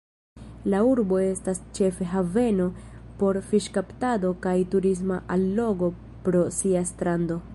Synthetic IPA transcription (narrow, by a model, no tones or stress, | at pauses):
lauɾbo̞e̞stast͡ʃe̞fe̞ɦave̞no̞ | po̞ɾfiʃkaptado̞kajtuɾis̬maʔalːo̞ɡo̞ | pɾo̞siastɾando̞